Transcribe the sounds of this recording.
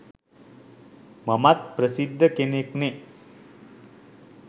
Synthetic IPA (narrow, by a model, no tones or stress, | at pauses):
mamat̪̚pɾəsid̪ʱːəkenekne